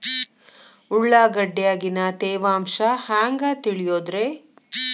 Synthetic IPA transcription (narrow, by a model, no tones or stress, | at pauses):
uɭːaːɡɐɖjaːɡinɐt̪eːʋaːmʃɐhaːŋɡaːt̪iɭijoːd̪ɾe